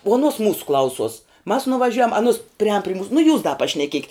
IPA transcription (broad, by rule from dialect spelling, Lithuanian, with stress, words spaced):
uɔ ɐˈnuɔs ˈmuːsʊ ˈklˠɐʊsuɔs mɐs nʊʋɐˈʒʲʊjɛm ɐˈnʊs pʲrʲɪˈɑːn pʲrʲɪ muːs nʊ juːs dɐ pɐʃʲnʲɛˈkʲiɛkʲɪt